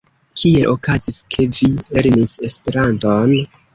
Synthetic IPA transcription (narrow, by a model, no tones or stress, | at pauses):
kʰie̞lʔo̞kaziskʰe̞vile̞ɾnise̞spe̞ɾanton